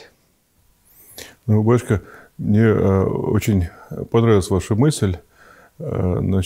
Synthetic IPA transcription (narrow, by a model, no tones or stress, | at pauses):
nubaʂkəmnʲeo̰t͡ɕɪnʲpɐnɾavʲlˠəsʲvaʂɨmɨsʲlʲ | nɐ